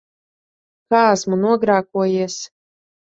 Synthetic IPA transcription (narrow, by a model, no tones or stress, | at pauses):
kaːasmunuɔɡɾaːkuɔjiɛs